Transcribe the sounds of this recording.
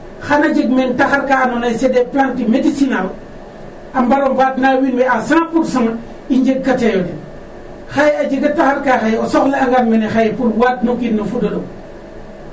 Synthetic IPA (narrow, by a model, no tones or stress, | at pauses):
xanad͡ʒeɡmentaxaɾkanonajsedeplantimedisinal | ambaɾombaːtnawinbeasaŋpuɾsaŋa | iɲd͡ʒeɡ̚katejode | xajead͡ʒiɡataxaɾkaxajeosoxleaŋɡanmenexajepulwaːt̚nokitnofudodo